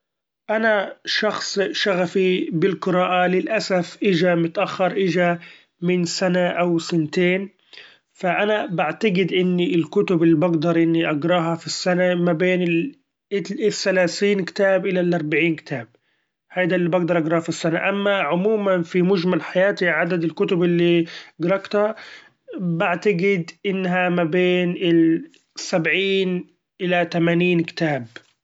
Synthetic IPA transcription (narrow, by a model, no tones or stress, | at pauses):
ʔanaʃɑxsˤʃaɣafibɪlqɨɾɑːʔalɪlʔasafʔɪd͡ʒamʊt̪ʔaxːɑɾˤʔɪd͡ʒa | mɪnsanaʔawsɪnt̪eːn | faʔanabaʕt̪aɡɪd̪ʔɪnːiɪlkʊt̪ʊbɪlːibaɡd̪ɑɾˤʔɪnːiʔɑɡɾˤɑːɦɑfisːanamabeːnɪl | ʔɪθːalaːθiːnkt̪aːbʔɪlalʔɑɾˤbaʕiːnkɪ̥t̪ʰaːb̚ | hajd̪aːlːiːbɑɡd̪ɑɾˤʔɑɡɾˤɑːhfisːanaʔamːaʕʊmuːmanfimʊʒmalħajaːt̪iʕad̪ad̪ɪlkʊt̪ʊbɪlːiɡɑɾˤɑɡt̪a | baʕt̪aɡɪd̪ʔɪnːɦamabeːnɪl | sabʕiːn | ʔɪlat̪amaːniːnkɪ̥t̪aːb